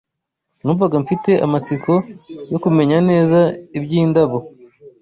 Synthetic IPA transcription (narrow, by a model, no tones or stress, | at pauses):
nuːɱvaɡaɱfite̞ʔa̰mat͡siko̞jo̞kume̞ɲane̞ːzaibjiːndaβo